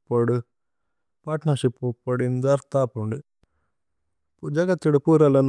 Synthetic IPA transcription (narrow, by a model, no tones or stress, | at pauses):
pːɐɽu | paːʈnɐɾʃipːupːɐɽind̪ɐɾt̪aːpuɳɖi | d͡ʒɐɡɐt̪ːiɽupuːɾɐlɐn